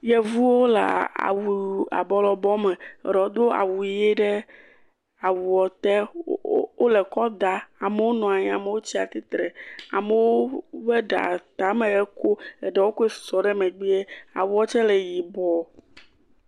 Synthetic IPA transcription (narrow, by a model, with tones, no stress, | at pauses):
jɛ˨vu˦wo˦la̰˨a̰˨wu˨a̰˨bɔ˨˦lɔ˨bɔ˦mɛ̃˨ɾɔ˨d̪o˦a̰˨wu˨i˨˦je˦ɖɛ˦ | a˨wu˨ɔ˨t̪ɛ˦ | o˦lɛ˨kɔ˦d̪a˨a˨me˦wo˦nɔ̃˨a˨ɲ̃˨a˨me˦wo˦t͡ɕi˦a˨t̪i˦t̪ɾɛ˨a̰˨me˨wo˦bɛ˦ɖa̰˨t̪a˨˦mẽ˨ɛ˦ko˦ɛ˨ɖɛ˦wo˦ko˦ɛ˦sɔ˨ɖɛ˦mɛ̃˨ɡ͡bi˦ɛ˦a̰˨wu˦ɔ˦t͡ʃɛ˦lɛ˨ji˨bɔ˦